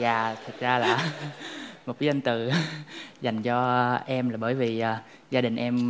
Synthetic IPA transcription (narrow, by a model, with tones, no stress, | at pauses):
zaː˨˩t̪ʰɨ˨˩k̚zaː˧laː˨˩ | mo˨˩t̚ki˨˦za˧nt̪ɨ˨˩ | za˨˩jŋ̟t͡ɕɔ˧ʔɛ˧mlaː˨˩ɓəː˧˩jvi˨˩ʔaː˨˩ | zaː˧ɗï˨˩ŋ̟ʔɛ˧m